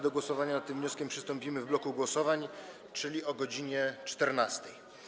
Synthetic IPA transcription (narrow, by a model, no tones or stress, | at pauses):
d̪ɔɡwɔsɔvaɲanat̪t̪ːɘmvɲɔskʲɛmpʂɘ̥st̪ɔmpʲimɘvblɔkuɡwɔsɔvaɲ | t͡ʂɘlʲiɔɡɔd͡ʑiɲɛt͡ʂt̪ɛɾnast̪ɛj